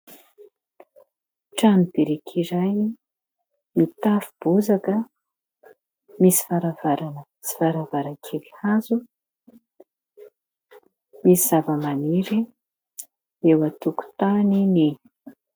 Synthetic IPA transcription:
ʈ͡ʂanibiɾikʰiɾaj | mit̪afub̥uzakə | misi̥faɾavaɾanə | t͡si̥vaɾavaɾakʰelihazu | misizavəmaniɾi | ewat̪uku̥t̪anini

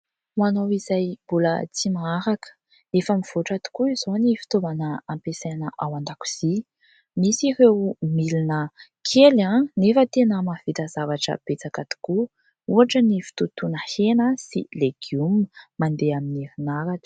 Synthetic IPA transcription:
manawizajb̥ulə̰t͡simaaɾakə̥ | efəmiv̥oʈ͡ʂat̪u̥kuizonifi̥t̪ovanəampesanəʔawand̪aku̥z̥i | misiɾewmilinə | kʰelanefət̪enəmavit̪azavaʈ͡ʂə̰b̥et͡sakat̪u̥ku | uaʈ͡ʂənifi̥t̪ut̪unəhenəsḭleɡ̥jummand̪eaminiɾinaɾakə̥

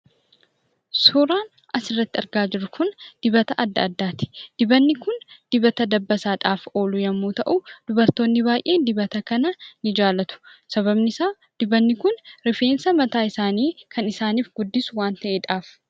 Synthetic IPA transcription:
suːɾaːn | ʔɐsɪrːɐt̪ːɪɐɾɡaːd͡ʒɪɾːʊkʊnd̪̥ɪbɐt̪ɐʔɐd̪ːɐ̰ːd̪ːaːt̪ɪ̥d̪̥ɪbɐnːɪkʊnd̪̥ɪbɐt̪ɐd̪ɐbːɐsaːᶑaːfo̞ːlʊjɐmːuːt̪ɐʔud̪̥ʊbɐɾt̪o̞ːnːɪbaːjʔe̞ːd̪ɪbɐt̪ɐkɐnɐnɪd͡ʒaːlɐt̪ʊ̥sɐβɐbnɪsaː | d̪̥ɪbɐnːɪkʊnɾɪfe̞ːnsɐmɐt̪aːɪsaːniːkʰɐnɪsaːniːfɡʊd̪ːɪsʊwaːnt̪ɐʔeːᶑaːf

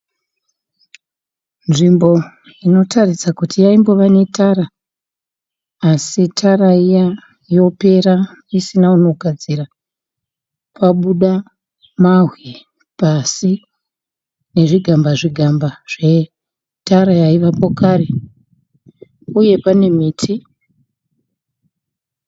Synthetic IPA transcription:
nʐimbo̞ | ino̞tʰarisakutʰijaimbo̞ʋane̞tʰaɾa | sitʰaɾaija | jo̞pe̞ɾaisinauno̞ɡʱad͡ziɾa | paɓuɗa | maɦwi | pasi | ne̞ʐiɡʱambaʐiɡʱambaʐ̥e | taɾajaiʋapo̞kaɾe̞ | uje̞pane̞miːtʰi

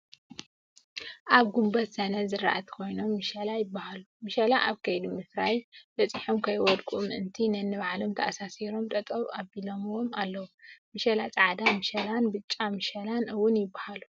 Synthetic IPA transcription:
ʔaβɡumbɐt̪sɐnɐzɨɾa̰ʔɐt̪ʰkʰo̞jno̞mːɨʃɐlajɪbːahalumɨʃɐlaʔaβkʰɐjd̪umɨsɾajb̪ɐt͡sʼiħomkʰɐjwɔd̪kʼumʔɨnt̪ʰinɐnːɨβaʕlomt̪ʰɐʔasasiɾo̞mt̪ʼɐt̪ʼɐβʔaβilomwomalːɐwumɨʃɐlat͡sʼɐʕad̪amɨʃɐlanbɨt͡ʃʼːamɨʃɐlanɨwːʊnjɪbːahalu

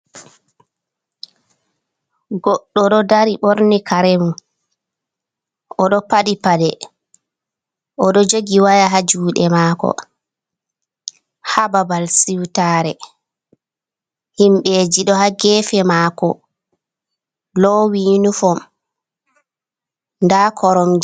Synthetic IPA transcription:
ɡɔɗːɔɗɔdaɾiɓoɾnikʰaɾɛmu | ɔɗɔpaɗipaɗɛ | ʔɔɗɔd͡ʒoɡiwajaɦad͡ʒuːɗɛmaːkɔ̰ | hababalsiwtaɾɛ | himɓed͡ʒiɗɔhaɡɛːfɛmaːkɔ̰ | lɔwinufɔm | ndakʰɔɾɔm

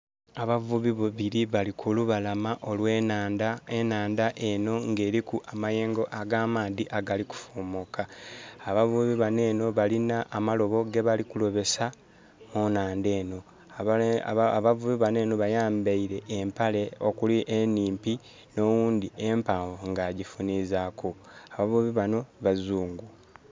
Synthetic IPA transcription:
aβavuβiβuβiɾiβalikʰuluβalamaʔo̞lweːnaːndaenaːndaʔe̞no̞ŋɡe̞ːɾikuʔamaje̞ːŋɡo̞ʔaɡaːmaːðiʔaɡaliku̥fumokaːβavuβiβane̞ːno̞βalinaʔːmalo̞βo̞ɡe̞βalikulo̞βe̞sa | monaːnde̞ːno̞ | βavuβiβane̞ːno̞βajaːmbaiɾe̞ʔːmpale̞o̞kuliʔeniːmpi | no̞wuːnd̪iempaːvoŋɡaːɟifuniːzakʰoaβavuβiβano̞βazuːŋɡu

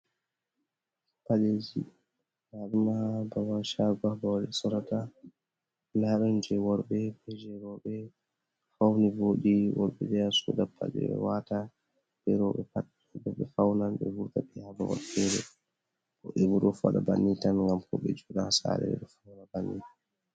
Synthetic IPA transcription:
paled͡ʒi | naɗimababaʃaɡabɔlɛsɔɾata | naɗɔnd͡ʒɛwɔɾbɛbɛd͡ʒɛɾɔɓɛ | fawnivoɗiwɔ̰ɾɓɛd͡ʒɛasṵdapʰːa̰d͡ʒɛ̰ɛ̰wata | d͡ʒɛɾɔɓɛpat | bɔɓɛfawnanɓɛ̰vuɾtaɓɛhabawɔ̰ɾtɛɾɛ | kɔʔɛbuɾɔfa̰ɗa̰ba̰nːitanŋɡamkɔɓɛ̰d͡ʒuɗaasa̰ːɾɛ̰ɛ̰ɗɔfanabanːḭa

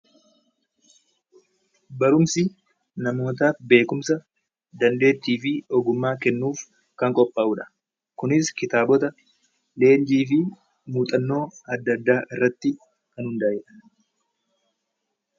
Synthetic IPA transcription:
bɐɾʊmsɪ | nɐmo̞ːt̪̬aːfbe̞ːkʊmsɐ | d̪ɐnd̪e̞ːt̪ːiːfɪɔɡʊmːaːkɛnːuːf | kɐŋkʼɔpʼːɐːʔuːᶑɐ̥ | kʊnɪskɪt̪aːbɔt̪ɐ | le̞ːnd͡ʒiːfɪ | muːt̪ʼɐnːo̞ːɐd̪ːɐd̪ːaːʔɪrːɐt̪ːɪ | kɐnhʊnd̪aːjɛᶑɐ̥

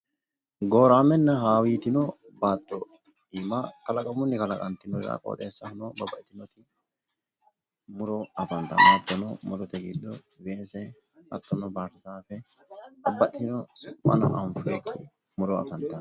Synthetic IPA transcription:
ɡoːɾaːmɛnːɐɦaːwiːt̪ɪnɔ | baːt̪ːɔ | diːmakɐlɐkʼɐmʊnːɪkɐlɐkʼɐnt̪ːɪnɔɾɾa̰kʼo̰ːt̪ʼḛːsːɐhʊnɔbɐbɐɛt̪ɪnɔt̪ɪ | mʊɾɔɐfɐnt̪ɐmat̪ːɔnɔmʊɾɔt̪ɛɡid̪ɔ | weːsɛ | ɐt̪ːɔnɔbaːtɐsaːfɛ | ɐbːɐt̪ːɪnɔsʊpʼːɐ̰nɔ̰ʔɐmfʊɛk̪ʰːɪ | mʊɾɔɐ̰fɐnt̪ɐn

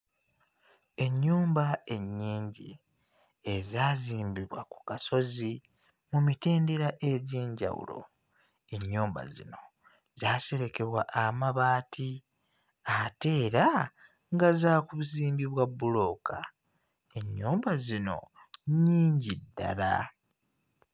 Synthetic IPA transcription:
e̞ɲːuːmbae̞ɲːiːɲɟḭ | e̞zaːziːmbiβwa̰ku̥kaso̞zi | mumite̞ːnde̞ɾaʔe̞ɟeːɲɟa̰wṵlo̞̰ | e̞ɲːuːmba̰zḭno̞ | z̥aːse̞ɾe̞ke̞βwaʔamaβaːtʰi | ate̞ːɾa | ŋɡazaːkuβuziːmbiβwabːulo̞ːkʰa | e̞ɲːuːmbazino̞̰ | ɲːiːɲɟidːa̰la̰

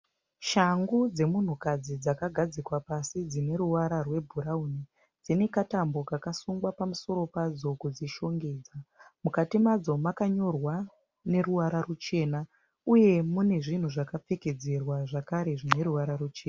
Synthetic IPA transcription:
ʃaŋɡud͡ze̞mun̤ukad͡zid͡zakaɡʱad͡zikwapasid͡zine̞ɾuʋaɾarwe̞bʱuɾauni | d͡zine̞katambo̞kakasuŋɡwapamuso̞ɾo̞pad͡zo̞kud͡ziʃo̞ŋɡe̞ːd͡zamukatimad͡zo̞makaɲo̞rwa | ne̞ruwaɾarut͡ʃe̞ːna | uje̞mune̞ʐin̤uʐakap͡feked͡zerwaʐakaɾe̞ʐine̞ɾuwaɾarut͡ʃeːna

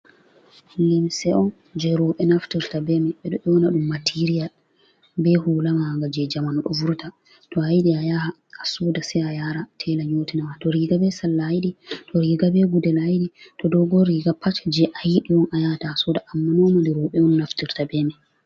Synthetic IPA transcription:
limsɛʔɔn | d͡ʒɛɾɔɓɛnaftiɾtabɛmɛɓɛɗɔʔɛwɔnaɗumːatʰiɾijal | bɛhuːlamaaɡad͡ʒɛd͡ʒamanɔɗɔvuɾta | tɔajɗiajaha | asuːdasɛajaɾatʰɛlaɲoːtinawatɔɾiɡabɛsalːajɗitʰɔɾiːɡabɛɡudɛlajɗitɔdɔɡɔɾiːɡapːat͡ʃd͡ʒɛʔajiɗiwɔnʔajatasudaʔamːanɔmandɛɾɔɓɛɔnːaftiɾtabɛmɛ

